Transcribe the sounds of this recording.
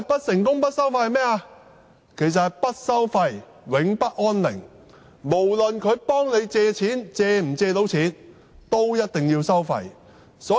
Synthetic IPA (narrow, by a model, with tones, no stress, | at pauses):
jpɐ˥t̚sɪ˨˩ŋkʊ˥ŋpɐ˥t̚sɐ˥wfɐ˧jhmɛː˥aː˧ | kʰe˨˩js̬ɐ˨thɐ˨jpɐ˥t̚sɐ˥wfɐ˧j | wɪ˨˥ŋpɐ˥t̚ʔɔː˥nlɪ̰˨˩ŋ | mo˨˩wlɵ˨nkʰɵ˨˧ɥpɔː˥ŋne˨˧jt͡sɛː˧t͡sʰiː˨˥nt͡sɛː˧m̩˨˩t͡sɛː˧t̪o˨˥wt͡sʰiː˨˥n | t̪o˥wjɐ˥t̚t̪ɪ˨ŋjiː˧wsɐ˥wfɐ̰˧j | sɔː˨˥